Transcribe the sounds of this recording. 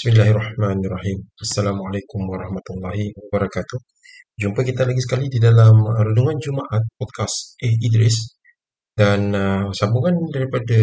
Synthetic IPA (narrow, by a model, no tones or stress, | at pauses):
bɪ̥smilaɦhrɑħmanɪrˤːɑhimasːalamalakʊmwaɾˤɑhmat̪ulːɑɦiwabaɾɑkat̪uh | d͡ʒumpakit̪alaɡisə̥kalididalamɾuduŋand͡ʒumaʔat̪̚pɔd̪̚kasʔɛhidɾɪs | dansabuŋandaɾipada